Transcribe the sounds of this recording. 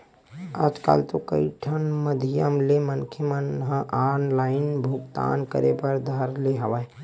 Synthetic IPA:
a̰d͡ʒka̰ːlt̪okə̰iʈʰənməd̪ʱijəmlemənkʰəmənɦə̃ʔaːnlaːɪnbʱuɡt̪a̰ːnkəɾepəɾd̪ʱɐɾleɦɐʋae

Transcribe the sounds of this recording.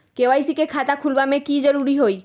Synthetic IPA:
keʋajsikekʰat̪akʰulʋamẽkid͡ʒəɾuɾiɦoi

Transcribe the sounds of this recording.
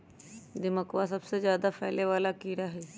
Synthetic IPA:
d̪ɪməkʋasɐbsezjaːd̪apʰɛːleʋaːlakiːɾaɦɛː

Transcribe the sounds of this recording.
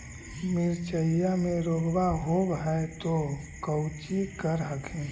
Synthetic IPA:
mɪɾt͡ʃəjamẽɾoːɡbaɦoːɡɦɛt̪o | kəwt͡ʃikəɾɦəkʰẽ

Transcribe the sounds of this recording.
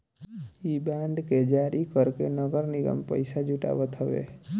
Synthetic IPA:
ibãɳɖked͡ʒaɽikəɾkenəɡəɾniɡə̰mpə̰jsad͡ʒuʈa̰ʋət̪ʰɦəʋḛ

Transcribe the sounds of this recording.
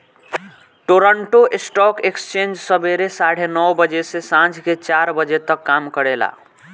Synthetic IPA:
ʈoɾəɳʈoʔesʈɔkekst͡ʃẽnd͡ʒsəbeɾesaɽ̤enɔwbəd͡ʒesesãd͡ʒʰʱket͡ʃaɾbəd͡ʒet̪əkːamkəɽela̰

